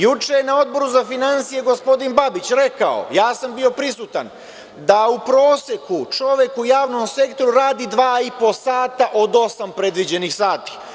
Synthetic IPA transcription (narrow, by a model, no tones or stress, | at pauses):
jut͡ʃejenao̞d̪̚bo̞ɾuzafinansije̞ɡo̞spo̞d̪inbabit͡ɕɾe̞kao̞̰jaːsambio̞pɾisut̪an | d̪aupɾo̞ːsjekut͡ʃo̞ʋe̞kujaːʋnomse̞kt̪oɾuɾaːd̪id̪ʋaːipo̞saːt̪aʔod̪o̞sampɾe̞d̪ʋid͡ʑe̞nixsaːt̪i̥